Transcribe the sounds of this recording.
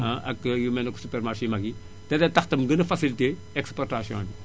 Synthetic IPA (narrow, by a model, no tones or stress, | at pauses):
ɐ̃ʔɐkjumɛnɐkːu̥supɛrmarʃiːmɐɡi | tɛdɛtɐxtɐmɡənɐfɐsilite | ɛkspɔrtasjɔ̰̃ndi